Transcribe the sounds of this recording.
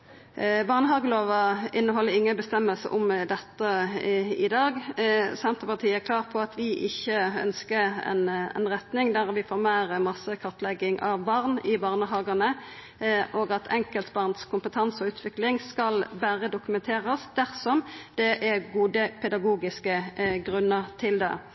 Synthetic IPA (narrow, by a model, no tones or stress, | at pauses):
bɑʁnəɦɑːɡəloːʋɑɪnːəɦɔlːəɾɪŋːəbəst̪ɛmːəlsə̰ʔʊmd̪ɛt̪ːə | ɪd̪ɑːɡsɛnt̪ʁəpɑʁt̪ʰiːæɾkʰlɑːʁpʰɔɑt̪ʰʋɪʔɪçːəœ̰nskəɛ̰nɛ̰nʁɛt̪nɪŋd̪æʁʋɪfoːɾmæːʁmɑsəkʰɑʁt̪lɛɡːɪŋʔɑʋbɑʁnɪbɑːʁnəɦɑːɡənə | ʔoːɡɑt̪ʰɛŋkəlt̪bɑʁnd̪skʰʊmpət̪ʰɑnsɔʉːt̪ʰʋɪklɪŋskɑlbæːʁəd̪ʊkʉmɛnt̪ʰeːʁəsd̪̥æʁsɔmd̪̥ɛʔæʁɡuːd̪əpʰɛd̪ɑɡuːɡɪskəɡʁʉnːəʁt̪ʰɪld̪ɛ̰